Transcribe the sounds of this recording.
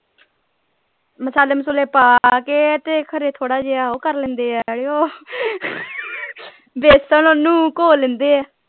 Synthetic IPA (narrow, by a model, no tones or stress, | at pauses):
məsaːləmsʊleːpaːkeːt̪eːkʰəɾeːt̪ʰoːɽaːd͡ʒeːaːoːkəɾlɛ̃ːnd̪eːɛɽeːoː | beːsənonũːkoːlẽːnd̪eːɛː